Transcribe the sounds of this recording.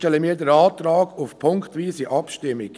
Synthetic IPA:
tɛləmiːɾdəɾɑːtɾɑːɡʊfpʰʊŋktʋiːsiʔɑpʃtɪmːɪk

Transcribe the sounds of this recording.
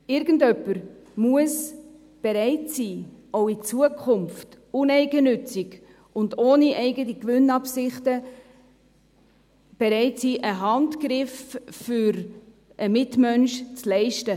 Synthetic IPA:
ɪɾɡ̥ən̩dœpːəɾmuəs | b̥eɾɛɪtsiːoʊit͡suəkʰʊmft | ʊnɛɪɡənʏt͡sɪk | ʊndoːniʔɛɪɡətikʋʏnɑpsɪχtə | b̥eɾɛɪtsiːʔəɦɑntkɾɪffyɾ | ʔəmɪtmœnʃt͡slɛɪʃtə

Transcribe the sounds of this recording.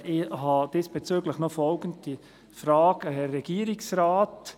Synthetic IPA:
ɪhɑd̥ɪsb̥ɛt͡søːɡləχnɔfɔlɡəntdi | fɾɑːɡəhɛːɛɡ̥iːɾɪksɾɑːt

